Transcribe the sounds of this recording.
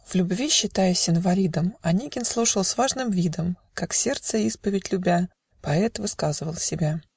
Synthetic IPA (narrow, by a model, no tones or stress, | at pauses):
v̥lʲʊbvʲiɕːɪt̪ajʊsʲɪnvɐlʲid̪əmɐnʲiɡʲɪnslˠuʂəlˠsʲvaʐnɨmvʲid̪əmkaksʲe̞rt̪səispəvʲɪtʲlʲʊbʲa | pɐɛt̪vɨskazɨvəlˠsʲɪbʲa